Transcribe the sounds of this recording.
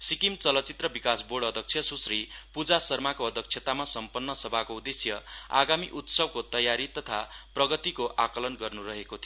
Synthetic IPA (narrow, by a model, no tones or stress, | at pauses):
sikimt͡sʌlʌt͡sit̪rʌbikasboɽʌd̪ʱʌk̚t͡sʰjʌsusripud͡zasʌrmakoʌd̪ʱʌk̚t͡ʃʰjet̪amasʌmpʌnːʌsʌbʱakoud̪esjʌa̰ɡamiʔut̪sʌb̚kot̪ʌjaɾit̪ʌt̪ʰa̰prʌɡʌt̪ikoʔakʌlʌnɡʌrnurʌɦekot̪ʰi